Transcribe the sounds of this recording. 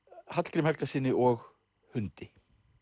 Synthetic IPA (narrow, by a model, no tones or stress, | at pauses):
hat̪l̥kɾɪmhɛklasiːnɪʔɔɣ | hʏnt̪ɪ